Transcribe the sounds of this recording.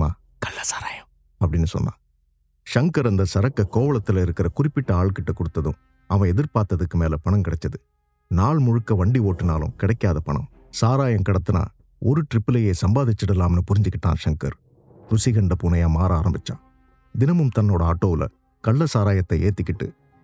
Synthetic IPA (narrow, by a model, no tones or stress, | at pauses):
maː | kɐlːɐsḁːɾaːjɐm | ɐpːɐɽɪnːɯsɔ̰nːa̰ː | ʂɐŋkɐɾɐnd̪ɐsɐɾɐkːɐkoːʋɐɭɐt̪ːɪlɪɾɯkːɪɾɐkʊrɪpːɪʈːɐaːɭkɪʈːɯkːɔɽɯt̪ːɐðʊ̰̃m | ɐʋɐ̃ɛðɪɾpaːɾt̪ɐðɯkːɯmeːlɐpɐɳɐmkɪɽɛt͡ʃːɐðɯ | naːɭmʊɻɯkːɐʋɐɳɖioːʈːɯnaːlʊ̰̃kɪɽɐkːaːðɐpɐɳɐ̰m | saːɾaːjɐmkɪɽɐt̪ːɯna̰ː | ɔɾɯʈɾɪpːɯlɐjeːsɐmbaːðɪt͡ʃːɪɽɪlːaːmnːɯpʊɾɪɲd͡ʒɯkːɪʈːã̰ːnʂɐŋkɐ̰ɾ | ɾʊsɪɣɐɳɖɐpunɐjaːmaːɾaːɾɐmbɪt͡ʃːã̰ː | d̪ɪnɐmɯmt̪ɐnːoːɽɐaːʈːoːʋɪlʔɐ̰ | kɐɭːɐsaːɾaːjɐt̪ːɐeːt̪ːɪkːɪʈːɯ̰